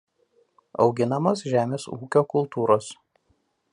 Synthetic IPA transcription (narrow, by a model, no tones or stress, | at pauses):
ɒ̰ʊɡʲɪnɐmosʒʲæːmʲeːsuːkʲoːkʊlˠt̪uːɾoːs